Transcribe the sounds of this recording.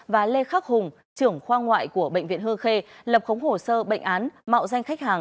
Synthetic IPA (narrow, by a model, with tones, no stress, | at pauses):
vaː˨˩le˧xaː˦˥k̚hʊ˨˩ŋ͡m | t͡ɕɨ˧˩əŋxwaː˧ŋwa̰ː˧˨jku˧˩əɓə̰˧˨jŋ̟vḭ˧˨ənhɨ˧əŋxe˧lə˨˩p̚xə˨˦wŋ͡mho˨˩səː˧ɓə̰˧˨jŋ̟ʔaː˨˦nma̰ː˧˨wza˧jŋ̟xa˦˥jk̚haː˨˩ŋ